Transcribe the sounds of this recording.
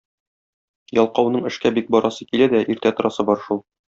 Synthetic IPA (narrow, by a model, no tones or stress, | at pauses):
jɒlˠqɑwnɤɴɘ̆ʃkæbik̚bɒɾɑsɤkilæd̪æʔiɾt̪æt̪ŏɾɑsɤbɒɾʃulˠ